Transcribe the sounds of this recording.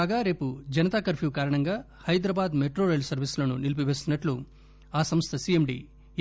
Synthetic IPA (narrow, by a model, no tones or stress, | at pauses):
aːɡaːɾe̞ːpud͡ʒɐnɐt̪aːkɐɾpʰjuːkaːɾɐɳɐŋɡaː | hɐjd̪ɾɐbaːd̪meʈɾoːɾelsɐɾʋisulɐnunilip̬iʋe̞ːst̪unːɐʈlu | aːsɐmst̪ʰɐsiemɖḭː